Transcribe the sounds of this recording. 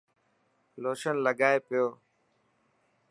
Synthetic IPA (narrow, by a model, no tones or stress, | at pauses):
loːʃənləɡaːepɪjoː